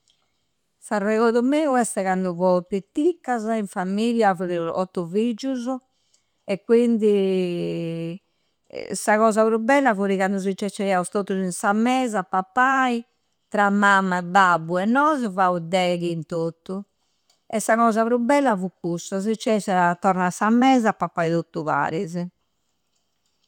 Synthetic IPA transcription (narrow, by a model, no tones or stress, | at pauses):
sarːɛɣoðumeːuɛst̪ɛɣand̪uvɔp̪it̪ːikːazaiɱfamiljavoɾiuɔ̰t̪ːuvid͡ʒːuz | ɛkːwind̪i | saɣɔːzapɾubːɛlːavoɾiɣand̪uzit͡ʃːɛt͡ʃːɛaust̪ot̪ːuzinsamːɛːzapapːai | t̪ɾamːamːaɛbːabːuɛnːɔːzɔvaud̪ɛːɣint̪oːt̪ːu | ɛsːaɣɔːzaβɾubːɛlːavukːusaz̬it͡ʃːɛsat̪ːɔɾnasamɛːzapːapːait̪ot̪ːuva̰ːɾizɛ